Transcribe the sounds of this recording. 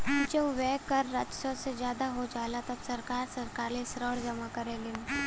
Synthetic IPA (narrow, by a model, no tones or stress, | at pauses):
d͡ʒəbʋɛːkəɾːad͡ʒsosezjaːd̪aɦod͡ʒaːlat̪ɐbsɐɾkaːɾsɐɾkaːɾlisɾəːɽd͡ʒɐmakɐɾẽːɡẽ